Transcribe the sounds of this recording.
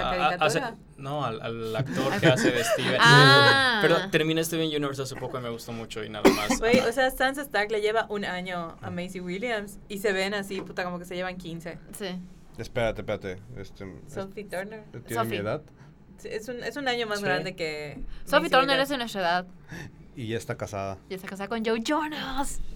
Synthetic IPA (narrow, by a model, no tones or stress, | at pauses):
aaasea | noala̰la̰kt̪oɾkeaseβest̪iβe | peɾot̪eɾmĩnaest̪iβenʝuniβeɾsas̬upokoimeaɣust̪omut͡ʃoḭnaðamaswejoseast̪ans̬est̪akleʝe̞βaʔunaɲo̞a̰mejsiwiljamsise̞βe̞nasiput̪akomoke̞seʝeβaŋkinse̞si | espeɾat̪epeat̪eḛst̪esofit̪oɾneɾt̪jeomieðað | siesunesunãɲo̞mazɡɾãnd̪ekesofit̪oɾneɾes̬unest̪ɾeðað | iʝaest̪akasaðaest̪akasaðakond͡ʒowʝonals